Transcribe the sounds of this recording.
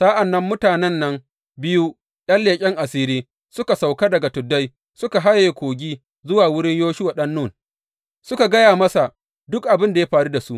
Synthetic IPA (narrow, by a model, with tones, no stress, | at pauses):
sa˦ʔa˨nːɐ˦mːʊ˦taː˨nɛ˦nːɐ˦ŋ | bɪ˦ju˦ | ɗɐ˦nleː˨kʲʼɪ˦ŋʔa˨siː˦ɾiː˦ | sʊ˦ka˨sa˨wka˦dɐ˨ɡa˨tʊ˨dːa˦j | sʊ˦ka˨ɦa˦je˨kʷoː˨ɡʲiː˦ | zʊ˦waː˨wʊ˦ɽɪ˦ɲjoː˦ʃʊ˦wa˨ɗɐ˦nːuː˦˨n | sʊ˦ka˨ɡɐ˦jaː˨mɐ˦sa˨ | dʊ˦k̚ʔa˨bɪ˦nda˨ja˦ɸaː˨ɽu˦da˨su˦ʔ